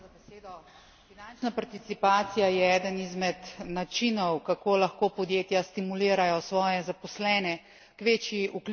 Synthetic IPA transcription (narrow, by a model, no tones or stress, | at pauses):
abɛseːd̪ɔ | finant͡ʃnapaɾt̪it̪sipaːt̪sijajɛɛːd̪ənizmɛt̪nat͡ʃinɔwkakoːlaxkoːpɔd̪jeːt̪jast̪imuliːɾajɔsʋɔːjɛzapɔslɛːnɛ | kʋeːt͡ʃiukl